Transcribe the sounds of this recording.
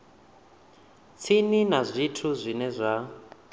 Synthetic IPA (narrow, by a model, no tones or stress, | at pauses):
t͡sʰininazʷitʰuzʷinɛzʷa